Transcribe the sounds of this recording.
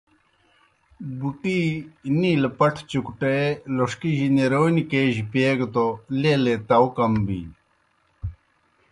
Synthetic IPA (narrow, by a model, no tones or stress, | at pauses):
buʈiniːlepɐʈʰt͡ɕukuʈeeloʂkiʑineɾonikeːʑipeːɡt̪olelet̪ɐwkɐmbḭ